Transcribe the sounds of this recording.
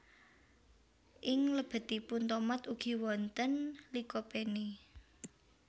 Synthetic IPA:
ʔɪŋləb̥ə̤t̪ipunt̪ɔmat̪uɡ̥i̤wɔnt̪ənlikɔpeni

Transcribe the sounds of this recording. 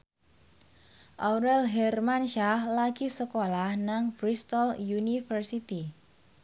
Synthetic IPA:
ʔawɾɛlɦɛrmanʃahlaɡisəkolahnaŋfɾist̪ɔljunifərsit̪i

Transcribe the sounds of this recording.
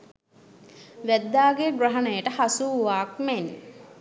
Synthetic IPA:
ʋæd̪ːaːɡeɡrəɦɐnejəʈəhasuʋaːk̚men

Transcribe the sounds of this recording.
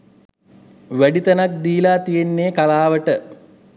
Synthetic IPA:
ʋæɖit̪ɐnak̚d̪iːlaːt̪ijenːeːkalaːʋəʈə

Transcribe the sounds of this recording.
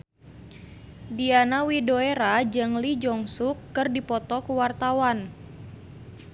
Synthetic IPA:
dianawidoeɾad͡ʒɨŋlid͡ʒɔŋsukːɨrdipɔt̪ɔkuwart̪awan

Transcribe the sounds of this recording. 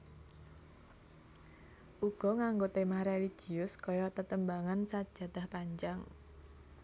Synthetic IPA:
ʔuɡ̥ɔ̤ŋaŋɡot̪emahɾeliɡ̥iʊskɔjɔt̪ət̪əmbaŋansad̥ʒ̥a̤d̪̥a̤hpaɲd͡ʒaŋ

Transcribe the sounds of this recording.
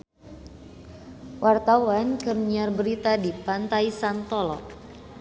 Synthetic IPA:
wart̪awankərniarbəɾit̪adipant̪aisant̪ɔlɔ

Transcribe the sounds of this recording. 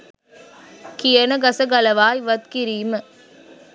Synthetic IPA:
kijənəɡɐsɐɡɐlɐʋaːiʋɐt̪̚kiɾiːmə

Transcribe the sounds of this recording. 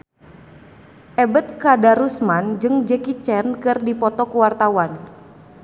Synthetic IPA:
ʔɛbət̪̚kadaɾusmand͡ʒɨŋd͡ʒɛkit͡ʃɛnkɨrdipɔt̪ɔkuwart̪awan

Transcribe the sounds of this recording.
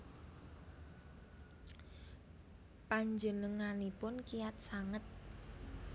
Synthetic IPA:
paɲd͡ʒənəŋanipʊnkijat̪̚saŋət̪̚

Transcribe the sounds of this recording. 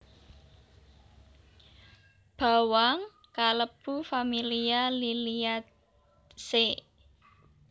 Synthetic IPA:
b̥a̤waŋ | kaləb̥ufamilialiliat̪ | se

